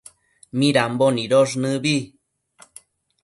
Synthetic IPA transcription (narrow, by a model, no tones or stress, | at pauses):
mĩɾamboniɾoʐnɨβi